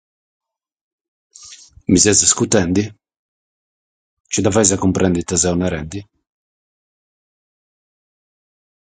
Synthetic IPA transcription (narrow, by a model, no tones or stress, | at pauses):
mizɛzaskut̪ɛnd̪i | t͡ʃɛd̪avajzakumpɾʔɛnd̪it̪azɛunɛɾɛnd̪i